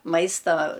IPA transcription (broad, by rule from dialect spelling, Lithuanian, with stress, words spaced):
ˈmɐɪstɐ